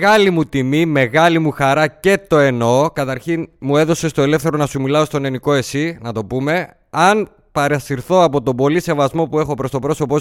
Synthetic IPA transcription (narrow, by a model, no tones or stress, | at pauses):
ɣɐlimut̪imime̞ɣɐlimuxɐɾɐce̞t̪o̞e̞no̞kɐt̪ɐɾçinmue̞ðo̞se̞st̪o̞e̞le̞fθe̞ɾo̞nɐsumilɐo̞st̪o̞ne̞niko̞e̞sinɐt̪o̞pume̞ | ɐn | pɐɾɐsiɾθo̞ɐpo̞t̪o̞bo̞lise̞vɐzmo̞pue̞xo̞pɾo̞st̪o̞pɾo̞so̞po